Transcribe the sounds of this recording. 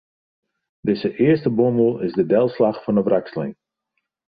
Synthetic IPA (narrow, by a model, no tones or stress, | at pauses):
dɪsəʔɪəstəboməl̩ˠɪzdədɛlˠslaχfɔnəbrakslɪ̰n